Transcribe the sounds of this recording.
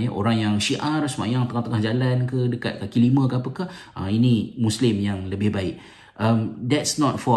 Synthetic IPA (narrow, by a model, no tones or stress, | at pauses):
jəʔo̰ɾaŋjaŋʃiʔarsəma̰jaŋt̪əŋat̪əŋahd͡ʒalankədəka̰t̪̚kakilimə̃kəapəka | a̰inimuslɪmjaŋləbɪhbaɪk̚ | amdɛtsnɔt̚fɔ